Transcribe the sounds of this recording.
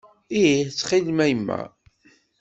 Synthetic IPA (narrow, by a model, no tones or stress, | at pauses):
iit͡sːχilmæjəmːæ̰